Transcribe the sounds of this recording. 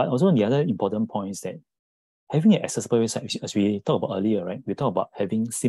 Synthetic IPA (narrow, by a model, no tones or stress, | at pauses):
batɔls̬oɛ̃ndiadəĩmpɔtə̃npʰɔ̃ɪ̃nsdɛt̚ | hɛvĩŋɛnɛ̰ksɛsibəwesaɛswitɔk̚əbaʊtʔəliəɹaɪt̚witɔkəbaʊt̚hɛvĩŋsĩ